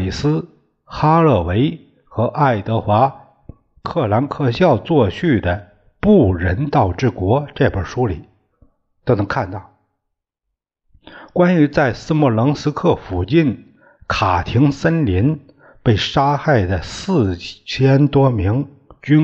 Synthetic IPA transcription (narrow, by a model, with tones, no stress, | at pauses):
li˨˩sɹ̩˥ | xa˥lɤ˥˩we˧˥ɪ | xɤ˧˥ʔa˥˩ɪt̪ɤ˧˥xwa˧˥ | kʰɤ˥˩la˧˥nkʰɤ˥˧ɕjɑ˥˧ʊt͡swɔ˥˧ɕy˥˩d̪ə˩ | pu˥˩ɻə˧˥nt̪ɑ˥˩˧ʊʈ͡ʂɻ̩˥˩kwɔ˧˥ʈ͡ʂɤ˥˧ɪpə˞˨˩ʂu˥li˨˩˦ | t̪o˥ʊnɤ˧˥ŋkʰa˥˧nt̪ɑ˥˩ʊ | kwa˥ny˧˥t͡sa˥˩ɪsɹ̩˥mu˧˥˩lɤ˧˥ŋsɹ̩˥kʰɤ˥˩fu˨˩t͡ɕi˥˩n | kʰa˨˩t̪ʰi˧˥ŋsə˥nli˧˥n | pe˥˩ɪʂa˥xa˥˩ɪd̪ə˩sɹ̩˥˩t͡ɕʰjɛ˥nt̪wɔ˥mi˧˥ŋ | t͡ɕy˥n